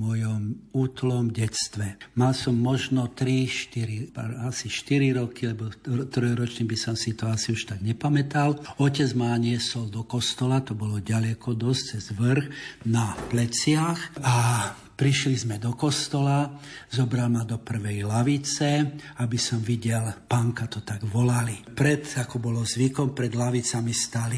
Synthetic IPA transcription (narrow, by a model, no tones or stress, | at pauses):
mʊɔjɔmuːt̪lɔmɟɛt͡st̪ʋɛmalsɔmːɔʒnɔt̪ɾiʃt̪iɾipaasiʃt̪iɾiɾɔkilɛbɔt̪ɾɔjɾɔt͡ʃɲibisɔmsit̪ɔasiuʃt̪aɡɲɛpamɛt̪alɔcɛd͡zmaɲɪɛsɔld̪ɔkɔst̪ɔlat̪ɔbɔlɔɟalɛkɔd̪ɔst͡sɛzʋr̩xnaplɛt͡sɪaxa | pɾiʃlizmɛd̪ɔkɔst̪ɔlazɔbɾalmad̪ɔpr̩ʋɛjlaʋit͡sɛabisɔmʋiɟɛlpaŋkat̪ɔt̪aɡʋɔlalipɾɛd̪akɔbɔlɔzʋikɔmpɾɛd̪laʋit͡samist̪ali